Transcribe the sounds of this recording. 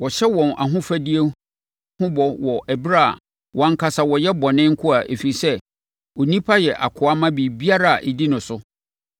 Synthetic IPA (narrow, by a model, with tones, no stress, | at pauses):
wɔ˨ɕɛ˦wɔ̃˨na̰˨ɦʊ̃˦fæ˦di˦e˦ | hʊ̃˦bɔ˨wɔ˨ʔæ˨bɾa̰˦˨ | wʔɔ˨ã˨ŋ̩˦kʰa˨sa˨wɔ˨jɛ˦bɔ˨nɪ̃˦ŋ̩˦kʰʊ˦a˨ʔḛ˨fi˨sɛ˦ | o˨nĩ˦pʰa˦jɛ˨ʔa̰˨kʰʊ˨a˦mã˦bi˨bi˦a˦ɾa˦˨a˨ʔi˨di˦nʊ̃˨sʊ˦